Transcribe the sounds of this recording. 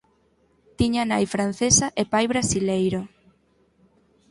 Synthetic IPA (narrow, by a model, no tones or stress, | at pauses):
t̪iɲanajfɾan̟θesaʔepajβɾasilejɾo